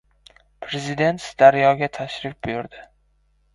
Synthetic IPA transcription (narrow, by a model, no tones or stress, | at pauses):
pʰɾezɪd̪e̞nt̪sd̪aɾjɒɡʲat̪ʰaʃɾɪf̚bʊjʊɾd̪ɪ